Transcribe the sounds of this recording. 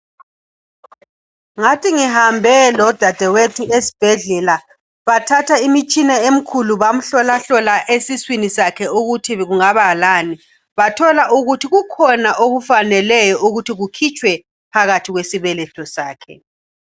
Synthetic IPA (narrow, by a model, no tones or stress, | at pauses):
ŋatʰiŋihambʱɛlɔd̥ʱad̥ʱɛwetʰuesi̥b̥ʱɛɮɛla | βatʰatʰaimit͡ʃʼinɛem̩kʰuluβam̩ɬɔlaɬɔlaʔesiswinisakʰɛuɣutʰiɣuŋaβalani | βatʰɔlaʔuɣutʰiɣukʰɔnaʔoɣufanɛlɛjɔʔuɣutʰiɣukʰit͡ʃʼwɛ | pʰaɣatʰiɣwesiβɛlɛtʰʼɔsaːkʰɛ̰